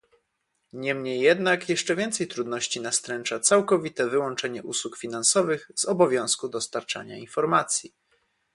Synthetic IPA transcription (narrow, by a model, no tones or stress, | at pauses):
ɲɛmɲejːɛd̪nakjɛʂt͡ʂɛvʲjɛnt̪sɛjt̪ɾud̪nɔɕt͡ɕinast̪ɾɛnt͡ʂat̪sawkɔvʲit̪ɛvɘwɔnt͡ʂɛɲɛʔuswukfʲinansɔvɘɣz̥ɔbɔvʲjɔ̃w̃skud̪ɔst̪aɾt͡ʂa̰ɲa̰infɔɾmat̪sʲji